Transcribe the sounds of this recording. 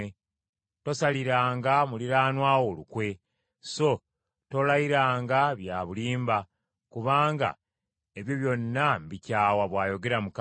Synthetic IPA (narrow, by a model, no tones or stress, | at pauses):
e | to̞saliɾaːŋɡamuliɾaːnwaːwo̞lukwe̞ | so̞ | to̞lajiɾaːŋɡaβjaːβuliːmba | kuβaːŋɡa̰ | eβjoβjo̞nːambicaːwaβwaːjo̞ɡe̞ɾamuk